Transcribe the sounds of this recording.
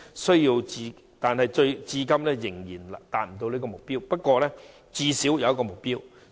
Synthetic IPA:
sɵ˥ɥjiː˧wt͡siː˧ | t̪aː˨nhɐ˨jt͡ʃɵ˧ɥt͡siː˧kɐ˥mlɛː˥jɪ˨˩ŋjiː˨˩nt̪aː˨t̚m̩˨˩t̪o˧wliː˥kɔː˧mʊ˨k̚piː˥wpɐ˥t̚kʷɔː˧lɛː˥ | t͡siː˧si˨˥wjɐ˨wɐ˥tkɔ˧mʊ˨k̚piː˥w

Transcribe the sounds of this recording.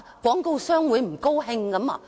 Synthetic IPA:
kwʷɔː˨˥ŋko˧wsœː˥ŋwuː˨˥jm̩˨˩ko˥wɦɪ˧ŋkɐ˨˥ma̰˧

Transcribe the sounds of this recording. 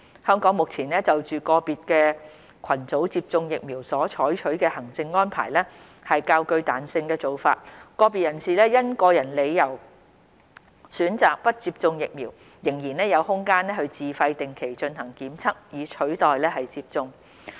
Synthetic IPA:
hœː˥ŋkɔː˨˥ŋmʊ˨k̚t͡sʰiː˨˩nɛː˥t͡sɐ˨wt͡ʃyː˨kɔː˧piː˨t̚kɛː˧ | kʷʰɐ˨˩nt͡so˨˥wt͡siː˧p̚t͡sʊ˧ŋjɪ˨k̚miː˨˩wsɔː˨˥t͡ʃʰɔː˨˥jt͡ʃʰɵ˨˥ɥkɛː˧hɐ˨˩ŋt͡sɪ˧ŋːɔː˥npʰa̰ː˨˩jlɛː˥ | hɐ˨jkaː˧wkɵ˧ɥt̪aː˨nsɪ˧ŋkɛː˧t͡so˨˧wfa̰ː˧t̚kɔː˧piː˨t̚jɐ˨˩nsiː˨lɛː˥jɐ˥nkɔː˧jɐ˨˩nle˨˧jjɐ˨˩w | syː˨˥nt͡saː˨k̚pɐ˥t̚t͡siː˧p̚t͡sʊ˧ŋjɪ˨k̚miː˨˩w | jɪ˨˩ŋjiː˨˩nɛː˥jɐ˨˧whʊ˥ŋkaː˥nɛ˥hɵ˧ɥt͡siː˨fɐ˧jt̪ɪ˨ŋkʰe˨˩jt͡ʃɵ˧nhɐ˨˩ŋkiː˨˥mt͡sʰɐ˥k̚jiː˨˧t͡ʃʰɵ˨˥ɥt̪ɔː˨jlɛː˥hɐ˨jt͡siː˧p̚t͡sʊ˧ŋ

